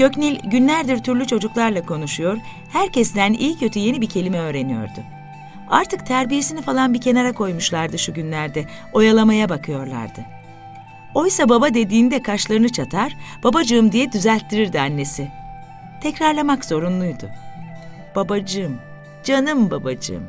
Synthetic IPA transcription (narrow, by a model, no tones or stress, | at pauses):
ɟø̞cnilʲɟynlʲæɾd̪iɾt̪ʰyɾlʲyt͡ʃʰo̞d͡ʒuklˠaɾlˠakʰo̞nuʃujo̞ɾ | hæɾcʰɛsd̪ænḭlʲcʰø̞t̪ʰyje̞nibicʰe̞lʲimɛø̞ːɾe̞nijo̞̰ɾd̪ʊ | a̰ɾt̪ʰɯk̚t̪ʰæɾbije̞sinifalˠanbicʰe̞naɾakʰo̞jmuʃlˠaɾd̪ɯʃuɟynlʲæɾd̪ɛ | o̞jalˠamajabakʰɯjo̞ɾlˠa̰ɾd̪ɯ | o̞jsababad̪e̞d̪iːnd̪ɛkʰaʃlˠaɾɯnɯt͡ʃʰat̪ʰaɾ̥b̥abad͡ʒɯɯmd̪ijɛd̪yzælʲt̪ːiɾiɾd̪ianːesi | t̪ʰɛcɾaɾlˠamakz̥o̞ɾunlˠujd̪ʊ̰ | b̥abad͡ʒɯm | d͡ʒanɯmbabad͡ʒɯ̰m